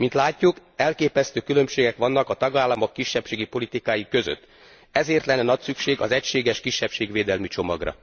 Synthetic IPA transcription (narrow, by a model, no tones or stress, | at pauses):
mint̪laːcːukɛlkeːpɛst̪øːkylø̞mʃeːɡɛkʋɒnːɒkɒt̪ɒɡaːlːɒmokːiʃːɛpʃeːɡipo̞lit̪ikaːjikø̞zø̰t̪ː | ɛzeːrt̪lɛnːɛnɒcsykʃeːɡɒzɛcʃeːɡɛʃkiʃːɛpʃeːɡʋeːd̪ɛlmit͡ʃo̞mɒ̰ɡrɒ̰